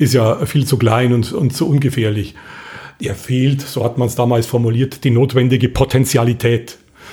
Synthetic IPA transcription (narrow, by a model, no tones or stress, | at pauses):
ʔɪstjaːfiːlt͡sukl̥aɪnʊntʊ̰ntt͡suʔʊnɡəfeːɐlɪçʔeːɐfeːltz̥oːhatmansd̥aːmaːlsfɔɐmuliːɐtd̥iːnoːtv̥ɛndɪɡəpʰotʰɛnt͡sjalitʰɛːt